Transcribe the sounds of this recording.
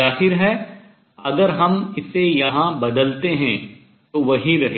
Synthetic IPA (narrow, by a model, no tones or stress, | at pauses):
aːɦɪɾɦɛ | ɐɡəɾɦɐmɪsːejɐɦãbɐd̪əlt̪eɦɛ̃ | t̪oʋɐɦiɾɐɦe